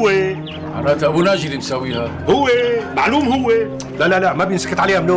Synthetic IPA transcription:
e | ʕa̰ɾaːt̪ʔabunaʒɪlinsawːiːha | hʊwːemaʕluːmhʊwːe | lalalaʔmabjɪnsḁkɪt̪ʕaleːhamloː

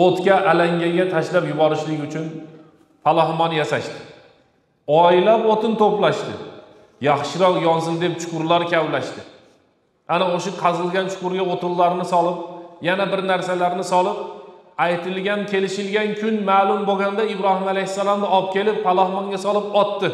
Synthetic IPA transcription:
ot̪kʲaʔalaŋɡʲaŋɡʲat̪ʰaʃlapjʊbɒɾɪʃlɪɡʲʊt͡ʃʰʊn | falˠɒhmɒnjasaʃt̪ɪ̥ | ɒɪlapot̪ʰɪnt̪ʰoplaʃt̪ɪ̰ | jɑχʃɪɾɒqjɒnzɪlˠd̪e̞p̚t͡ʃʰʊ̥qʊɾlˠaɾkʲʰawlaʃt̪ɪ | anaoʃaqʰɑzɨlˠɡʲant͡ʃʰʊ̥qʊɾɡʲaot̪ʰɪlːaɾnɪsɒlˠɪp̚janabɪɾnaɾsalaɾnɪsɒlˠɪp̚ | ajt̪ʰɪlɡʲankʲʰe̞lɪʃɪlɡʲankʲʰʊnmaːlˠʊmboɡʲand̪aɪbɾɒhɪmalajhɪsːalˠɒmd̪ɪɒp̚kʲʰe̞lɪpfalˠɒhmɒŋɡʲasɒlˠɪpɒt̪ːɪ

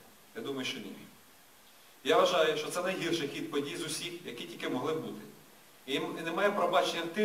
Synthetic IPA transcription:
jad̪umɐjʊʃt͡ʃɔnʲḭ | jaʋɐʒɑjʊʃt͡ʃɔt̪sɛnɐjɦirʃɪjxʲid̪̚pɔdʲijzʊsʲixjɐkitʲilʲkɪmɔɦlˠɪbbut̪ɪ | nemɑjɛpɾɔbɑt͡ʃenʲːɐt̪ɪ

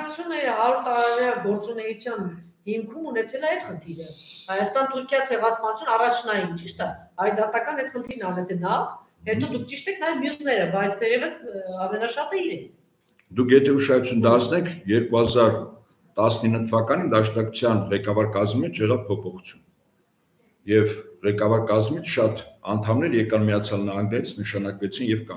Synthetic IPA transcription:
ut͡sʰjunɛɾɦɑɾuɾt̪ɑɾɑɾjɑɡɔɾt͡sunɛjut͡sʰjɑn | himkʰumunɛt͡sʰɛləɛjt̪χənt̪ʰiɾəhɑjɑst̪ɑnt̪ʰuɾkʰjɑt͡sʰɛvɑspɑnut͡sʰjunɑrɑt͡ʃʰnɑjint͡ʃiʃt̪ə | ɑjd̪ɑt̪ɑkɑnɛt̪χənt̪ʰiɾnɑrɛt͡sʰɛnɑv | hɛt̪ɔd̪ukʰt͡ʃiʃt̪ɛkʰnɑjɛvmjusnɛɾəbɑjt͡sʰt̪ɛɾɛvəsɑmɛnɑʃɑt̪əiɾɛn | d̪ukʰjɛt̪ʰɛuʃɑut͡sʰunəd̪ɑɾt͡sʰnɛkʰjɛɾkuhɑzɑɾ | t̪ɑsninːət̪ʰəvɑkɑnind̪ɑʃnɑkʰu̥t͡sʰjɑnʁɛkɑvɑɾkɑzmmɛt͡ʃʰjɛʁɑvpʰɔpʰɔχu̥t͡sʰjun | jɛvʁɛkɑvɑɾkɑzmit͡sʰʃɑt̪ɑnt̪ʰɑmnɛɾjɛkɑnmijɑt͡sʰjɑlnɑɦɑŋɡnɛɾit͡sʰnəʃɑnɑkvɛt͡sʰinjɛvkɑ

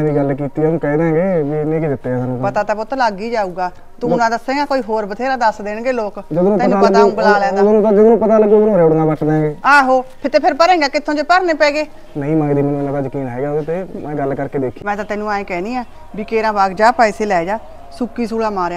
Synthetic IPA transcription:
ɛ̃ːd̪iːɡəlkiːt̪iːũːkɛːd̪ẽːɡeːʋinẽːked̪ɪt̪ːeːɛːsaːnũːpət̪aːt̪aːboːt̪ːlaːɡiːd͡ʒaːuːɡaː | t̪ũːʊnãːd̪əsːẽːɡaːkoːiːɦoːɾbət̪ʰeːɾaːd̪əsd̪eːɳɡeːloːkd͡ʒəd̪õːnũːɛːãːpəɡ̪ãːɡəlaːlɛ̃ːd̪aːd̪õːnːt̪ad͡ʒəd̪oːnũːpət̪aːləɡuːonːɾeːʊɽnaːbəʈʰd̪ẽːɡeːaːɦoːpʰɪɾt̪eːpʰɪɾpəɾẽːɡaːkɪt̪ʰːõːd͡ʒeːpəɾneːpɛ̃ːɡeː | nəĩːmãːd̪iːmɛːnũːnãd̪aːd͡ʒəkiːnaːeːɡaːt̪eːmɛ̃ːɡəlkəɾkeːd̪eːkʰimɛ̃ːt̪aːt̪ɛːnũːaːẽːkɛːniːaː | biːkeːɾãːbaːɡd͡ʒaːpaːɪseːlɛːd͡ʒaː | sʊkːiːsuːɽaːmaːɾaː

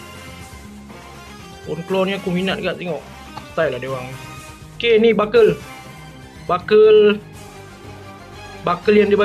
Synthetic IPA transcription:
ɔ̰nklɔrɲakuminat̪̚ɡaʔt̪eŋɔʔ | sə̥t̪ajladewaŋ | kenibakəl | bakəl | bakəljandiba

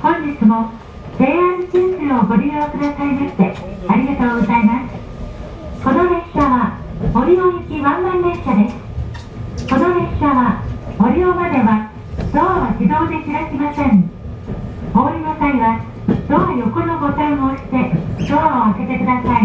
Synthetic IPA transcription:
hõ̞ɲ̟d͡ʑit͡sɨmo̞ | de̞ːãɲt͡ɕĩnsɨo̞ɡo̞ɾʲiɯokɯ̟d̪asaimaɕt̪e̞aɾʲiɡat̪o̞ːɡo̞zaimasɨ̥ | ko̞noɦeɕɕaβa | oɾʲioikʲiβãmːaːeɕad̪e̞sɨ̥ | ko̞noɦeɕaβao̞ɾʲiomad̪e̞βa | d̪̥oːβaɕid̪o̞ːd̪ekʲiɾakʲimasẽ̞ɴ | oːɾʲinosaiβa | d̪̥oːjo̞ko̞no̞ɡo̞t̪aioːɕi̥t̪e̞d̪̥oːoake̞t̪e̞kɯ̟d̪asai

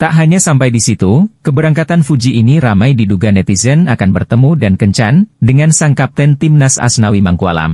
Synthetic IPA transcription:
t̪aʔɦaɲasampajdisit̪ukəbəɾaŋkat̪anfud͡ʒiʔːniɾamajdiduɡanɛt̪izənakanbərt̪əmudankəɲt͡ʃandəŋansaŋkap̚t̪ɛnt̪imnasa̰snawimaŋkua̰la̰m

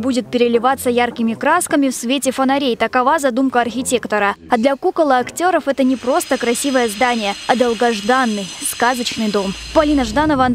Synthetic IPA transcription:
budʲɪt̪̚pʲɪɾʲɪlʲɪvat̪sːəjarkʲɪmʲɪkɾaskəmʲɪfsvʲetʲɪfənɐɾʲejt̪əkɐvazɐd̪umkəɐrxʲɪtʲe̞kt̪əɾəɐd̪lʲɐkukəlˠɨɐktʲo̞ɾəfɛt̪ənʲɪpɾo̞st̪əkɾɐsʲivəjəzd̪anʲɪjəɐd̪əlˠɡɐʐd̪anːɨjskazət͡ɕnɨjd̪o̞m | pɐlʲinəʐd̪anəvəɐnd̪

